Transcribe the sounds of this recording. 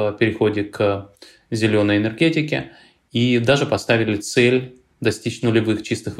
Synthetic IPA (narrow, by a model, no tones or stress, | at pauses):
pʲɪɾʲɪxo̞dʲɪk | zʲɪlʲo̞nːəjɪnʲərɡʲetʲɪkʲɪ̰ | id̪aʐɨpɐst̪avʲɪlʲɪt̪sɛlʲ | d̪ɐsʲtʲit͡ɕnʊlʲɪvɨxt͡ɕist̪ɨx